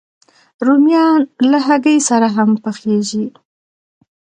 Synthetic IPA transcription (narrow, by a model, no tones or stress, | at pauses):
ɾumjɑnlaɦaɡəjsaɾaɦampəxeʒi